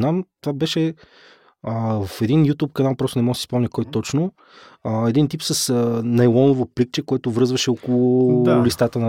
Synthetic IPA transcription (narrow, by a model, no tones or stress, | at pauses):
namt̪ovabɛʃɛ | əvɐfɛd̪injut̪ʲup̚kɐnalˠpɾɔst̪ʊnɛmɔɡ̪si̥spɔmɲʲɐkɔjt̪ɔt͡ʃno | ɛd̪int̪ipsɐsənɐjlˠɔnovoplik̚t͡ʃɛkoɛt̪ʊvɾɤzvɐʃɛɔkʊlˠʊlist̪at̪ənɐ